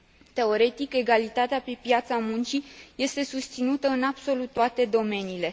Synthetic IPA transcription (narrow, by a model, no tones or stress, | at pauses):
t̪e̞o̞ɾe̞t̪ike̞ɡalit̪at̪eapepjat̪samunt͡ʃije̞st̪e̞sust̪sinut̪əɨnab̥so̞lut̪ːoat̪e̞d̪o̞me̞niːle̞